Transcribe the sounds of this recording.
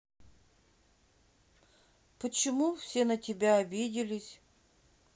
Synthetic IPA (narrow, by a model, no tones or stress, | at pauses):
pət͡ɕɪmufsʲenətʲɪbʲaɐbʲidʲɪlʲɪsʲ